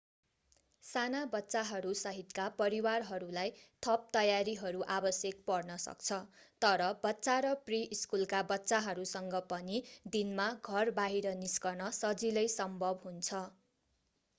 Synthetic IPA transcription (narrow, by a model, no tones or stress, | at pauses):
sanabʌtːsaɦʌɾusʌɦit̪kapʌɾiwarɦʌɾulajt̪ʰʌp̚t̪ʌjaɾiɦʌɾuʔabʌsjek̚pʌrnʌsʌ̰kt͡sʰʌt̪ʌɾʌbʌtːsaɾʌpriiskulkabʌtːsaɦʌɾusʌŋɡʌpʌnid̪inmaɡʱʌrbaɦiɾʌniskʌrnʌsʌd͡zilʌjsʌmbʱʌbɦunt͡sʰʌ